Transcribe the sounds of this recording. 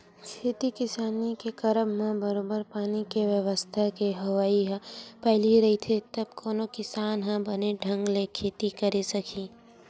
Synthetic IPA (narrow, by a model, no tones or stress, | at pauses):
kʰeːt̪ikɪsaːnikekɐɾəmːẽbəɾoːbəɾpaːnikeʋjəʋəst̪ʰakeɦɐwaːiɦpɛɦɪliɾɐɦit̪ʰet̪ɐb̚koːnokɪsaːnɦãbɐneɖʱɐ̃ŋɡlekʰeːt̪ikɐɾesɐkʰiː